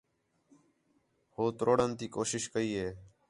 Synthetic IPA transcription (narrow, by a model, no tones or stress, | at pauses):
hoːt̪ɾoːɽənt̪iːkoːʃɪʃkəiːɦeː